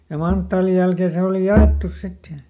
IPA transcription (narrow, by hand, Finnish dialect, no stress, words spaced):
jɑ mɑntːɑːlij jælkeːn se oli jɑeˑtːus sit jɑ